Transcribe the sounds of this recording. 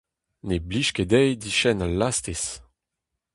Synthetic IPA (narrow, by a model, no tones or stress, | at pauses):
nebliʃked̪ɛjd̪iʃɛnalast̪es